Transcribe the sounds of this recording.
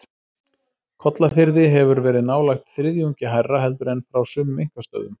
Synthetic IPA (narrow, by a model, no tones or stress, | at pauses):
kʰɔt̪lafɪɾðɪɦɛvʏɾvɛːɾɪðnaːwlajxt̪θɾɪðjuɲcɪɦajrːaɦɛlt̪ʏɾɛnfɾawsʏmʏmeŋ̥kast̪œ̰ːðʏm